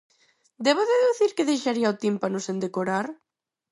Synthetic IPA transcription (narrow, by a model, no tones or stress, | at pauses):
d̪ɛβoðeðuθiɾkɪðejʃaɾiaot̪impanʊsend̪ekoɾaɾ